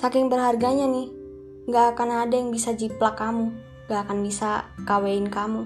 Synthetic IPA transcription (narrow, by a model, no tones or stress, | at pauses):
sakɪŋbərɦarɡaɲanih | ŋɡaːkanadajaŋbisad͡ʒiplakamu | ŋɡaːkanbisakaweinkamu